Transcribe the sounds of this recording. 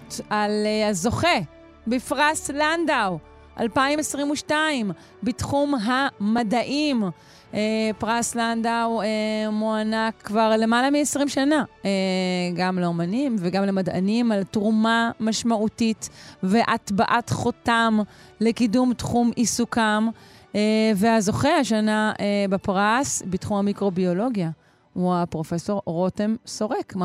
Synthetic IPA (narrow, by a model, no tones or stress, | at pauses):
alazo̞χe | befʁaslandaw | ʔa̰lpaimesʁimuʃtaim | bitχumɦamadaʔim | epʁaslandawemoanakːvaʁle̞malamiesʁimʃanaeɡamleo̞manimveɡamlemada̰nimaltʁumamaʃmautitve̞ʔatbaʔatχo̞tamlekidumtχumisukameveazo̞χehaʃanaebapʁasbitχumhamikʁo̞bio̞lo̞ɡja | huapʁo̞fe̞so̞ʁʁo̞temso̞ʁek